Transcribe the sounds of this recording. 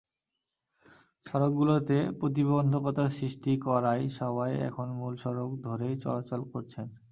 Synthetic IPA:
ʃɔɾok̚ɡulot̪epɾot̪̬ibond̪ʱokɔt̪asɾiʃʈikɔɾajʃɔβajɛ̰kʰonmulʃɔɾokd̪ʱoɾejt͡ɕɔ̰lat͡ɕolkoɾt͡ɕʰen

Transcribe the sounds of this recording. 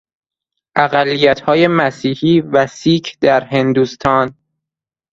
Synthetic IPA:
ʔæɣælːijæt̪hɒːje̞mæsiːhiːvæsiːkʰd̪æɾɦe̞nd̪uːst̪ʰɒːn

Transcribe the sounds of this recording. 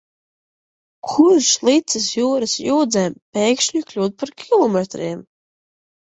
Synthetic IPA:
kʰuɾʃlˠit̪sɨsjuːɾɨsjuːd̪zɛːmpeːjkʃɲuklʲuːd̪̚paɾkʲʰilˠɔmet̪ɾiːm

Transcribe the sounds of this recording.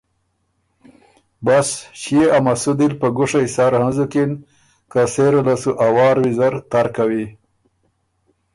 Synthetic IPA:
basɕieʔamasud̪ilpəɡuʂajsaɾhanzukin | kaseɾalasuʔawɑːɾwizaɾt̪aɾkawi

